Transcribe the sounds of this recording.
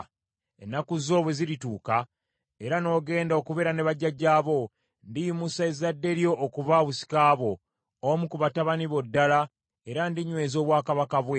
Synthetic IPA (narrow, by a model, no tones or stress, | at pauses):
ḛnːakuzo̞ːβweziɾituːka | e̞ɾano̞ːɡe̞ːndao̞kuβe̞ɾane̞βaɟːaɟaːβo̞ | ndijumusaezadːe̞ɾjoʔːkuβaβusi̥kaːβo̞ | omukuβataβaniβo̞dːala | e̞ɾandiɲwe̞ːzo̞ːβwaːkaβakaβwe